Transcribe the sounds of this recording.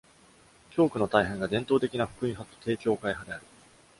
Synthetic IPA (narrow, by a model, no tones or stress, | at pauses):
kʲo̞ːkɯ̟no̞t̪aiɦẽ̞ŋɡad̪ẽ̞nt̪o̞ːt̪e̞kʲinaɸɯ̟̥kɯ̟ĩɦat̪o̥t̪e̞ːkʲo̞ːkaiɦad̪e̞aɾɯ̟